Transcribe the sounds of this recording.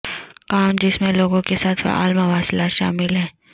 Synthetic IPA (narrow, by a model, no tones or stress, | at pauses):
kaːmd͡ʒɪsmẽloːɡõkesaːt̪ʰa̰ːlmaʋaːslaːt̪ʃa̰ːmɪlɦɛ̃ː